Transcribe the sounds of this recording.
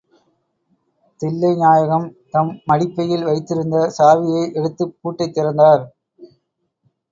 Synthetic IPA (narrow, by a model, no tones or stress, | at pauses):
t̪ɪlːɐɪnaːjɐɣɐm | t̪ɐmːɐɽɪpːɐjɪlʋɐɪt̪ːɪɾɯnd̪ɐsaːʋɪjɐɪʔɛɽɯt̪ːɯpːuːʈːɐɪt̪ːɪɾɐnd̪aːɾ